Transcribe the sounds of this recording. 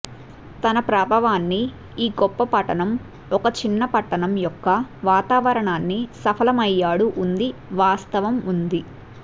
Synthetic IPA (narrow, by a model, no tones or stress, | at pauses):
t̪ɐnɐpɾaːbʱɐʋaːnːi | iːɡɔpːɐpɐʈɐnɐm | ɔkɐt͡ʃinːɐpɐʈːɐnɐmjɔkːɐʋaːt̪aːʋɐɾɐɳaːnːisɐpʰɐlɐmɐjːaːɽuʔːnd̪iʋaːst̪ɐʋɐmund̪i